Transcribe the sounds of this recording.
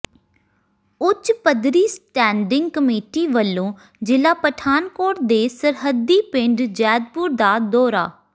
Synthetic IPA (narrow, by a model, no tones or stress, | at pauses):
ʊt͡ʃpəd̪ɾiːsʈɛ̃ːɳɖɪ̃ŋɡ̚kəmeːʈiːʋəlːõː | d͡ʒɪlaːpəʈʰaːnkoːʈd̪eːsəɾɦəd̪iːpɪ̃ɳɖd͡ʒɛːd̪̚pʊɾd̪aːd̪ɔːɾa̰ː